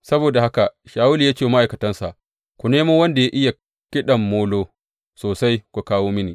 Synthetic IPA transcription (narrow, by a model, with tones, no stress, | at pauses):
sɐ˦boː˨da˨ha˦ka˨ʃaː˨wʊ˦liː˨jaː˦t͡ʃeː˨ma˦ʔa˨jkɐ˨tɐ˦nsa˨ʔ | kʷu˨neː˦moː˦wɐ˦nda˨ja˦ʔɪ˦ja˨ | kʲɪ˦ɗɐ˨mːoː˦loː˦ | soː˨sa˦jkʷu˨kaː˦woː˦mɪ˦niː˨